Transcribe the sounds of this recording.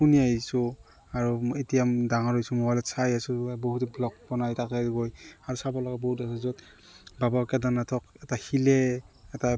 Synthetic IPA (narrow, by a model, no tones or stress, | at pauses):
uniaisu | aɹuitijamdaŋɔɹɔjsumɔalɛsajasuboɦutɛblɔk̚bɔnajtakɛɡojaɹusabɔlɔɡabɔhutasɔzɔt | babakɛdanatʰɔkɛtahilɛɛta